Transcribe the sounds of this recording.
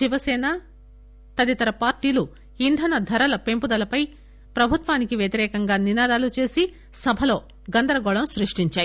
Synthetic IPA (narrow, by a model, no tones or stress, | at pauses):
iʋɐsɛːnɐ | t̪ɐd̪it̪ɐɾɐpaːɾʈiːlu | ind̪ʱɐnɐd̪ʱɐɾɐlɐpempud̪ɐlɐpɐj | pɾɐbʱut̪ʋaːnikiʋjɐt̪iɾɛːkɐŋɡaːninaːd̪aːlut͡ʃe̞ːsi | sɐbʱɐlo̞ː | ɡɐnd̪ɐɾɐɡɔɭɐmsɾiʂʈiɲt͡ʃaːji